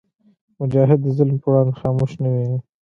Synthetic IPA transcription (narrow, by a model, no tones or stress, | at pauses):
mʊd͡ʒɑɦɪd̪ːəzɪlmpəwɽɑnd̪xɑmuʃnawi